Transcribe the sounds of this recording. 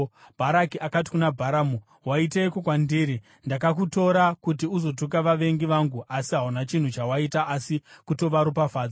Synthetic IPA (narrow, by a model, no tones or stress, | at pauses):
bʱaɾakiʔakati̥kunabʱaɾamu | waitejkokwandiːɾi | ndakak̬uto̞ɾakutiuzo̞tukaʋaʋe̞ŋɡiʋaŋɡuʔasiɦaunat͡ʃin̤ut͡ʃawaitaːsikuto̞ʋaɾupafaːd͡za